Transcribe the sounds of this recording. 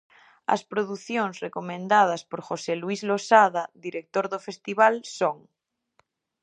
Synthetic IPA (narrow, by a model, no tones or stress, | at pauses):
ɐ̰spɾoðuθjoŋsrekomẽnd̪að̞aspoɾxoselwizlosaðaðiɾek̚t̪oɾðofest̪iβalsoŋ